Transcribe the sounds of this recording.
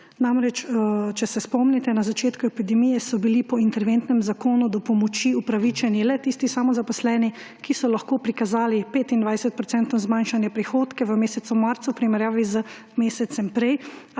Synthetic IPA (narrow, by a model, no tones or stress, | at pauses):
namɾɛt͡ʃt͡ʃɛsɛspɔmnɛt̪ɛnazat͡ʃeːt̪kuɛpid̪ɛmijɛsɔbilipɔint̪ɛɾʋent̪nɛmzakoːnud̪ɔpɔmɔt͡ʃiupɾaʋit͡ʃɛnilɛt̪ist̪isamɔzapɔslɛːni | kisɔlaxkoːpɾikazaːlipeːt̪ind̪ʋajsɛt̪̚pɾɔt̪sɛnt̪ɔzmanʃanjɛpɾixoːt̪kɛʋəmeːsɛt̪sumaɾt̪sawpɾimɛɾjaːʋizə | meːsɛt̪sɛmpɾɛj